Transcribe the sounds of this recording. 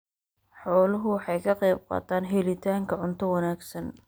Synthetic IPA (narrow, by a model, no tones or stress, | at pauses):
ħɔːlɐɦʊwħɑjkʰɐqɛjb̚qɑ̰ːt̪ʰaːnɦɛlɪt̪ʰaːŋkʰɐʕʊnt̪ʰɔwɑnaːɡsɐn